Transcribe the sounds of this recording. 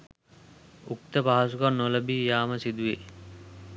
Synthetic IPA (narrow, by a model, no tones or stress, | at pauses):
uk̚t̪əpaɦasukɔɾnoləbiːjaːməsid̪uʋe